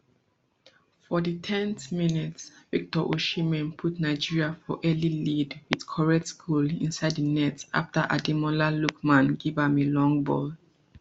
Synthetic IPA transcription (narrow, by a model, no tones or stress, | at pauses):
fɔditʰɛ̃nθminitsvik̚tɔʔoʃimɛ̃npʰutnaɪd͡ʒiɹiafɔʔɛlilidwidkʰɔɹɛtskʰulḭ̃nsaɪdənɛta̰ftəʔa̰dimɔlalukmãnɡivamilɔ̃ŋbɔ̰l